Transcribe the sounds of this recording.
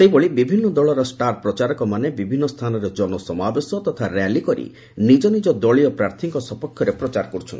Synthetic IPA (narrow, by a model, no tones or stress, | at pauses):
sejboɭibibʱinːɔd̪ɔɭɔɾɔsʈaɾpɾɔt͡ʃaɾɔkɔmanebibʱinːɔst̪ʰanɔɾed͡ʒɔnɔsɔmabesɔt̪ɔt̪ʰaɾalikɔɾḭ | nid͡ʒɔnid͡ʒɔd̪ɔɭiɔpɾaɾt̪ʰiŋkɔsɔpɔkʰːjɔɾepɾɔt͡ʃaɾɔkɔɾut͡ʃʰɔni